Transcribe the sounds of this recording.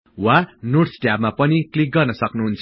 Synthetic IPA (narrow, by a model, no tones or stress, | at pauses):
wanoʈsʈjabmapʌniklik̚ɡʌrnʌsʌknuɦunt͡sʰʌ